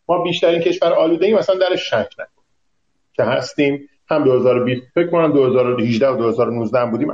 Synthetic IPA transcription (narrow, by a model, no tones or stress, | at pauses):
mɒːbiːʃt̪æɾiːncʰe̞ʃvæɾɒːluːd̪e̞iːmæsænd̪æɾeʃːæcʰnæ̰kʰon | cʰe̞hæst̪iːm | hæmd̪o̞he̞zɒːɾobiːsfecʰmkonæmd̪ohe̞zɒːɾohiʒd̪æhod̪ohe̞zɒːɾonuːzd̪æhmbuːd̪iːm